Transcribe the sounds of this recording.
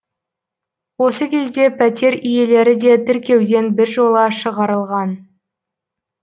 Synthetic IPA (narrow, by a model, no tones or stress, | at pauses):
wo̞səkʲʰe̞zd̪e̞pʰæt̪e̞ɾʏje̞le̞ɾɪd̪e̞t̪ʰɪɾkʲe̞wd̪e̞nbɪɾʒo̞lˠəʃəʁɑɾəlˠʁɑn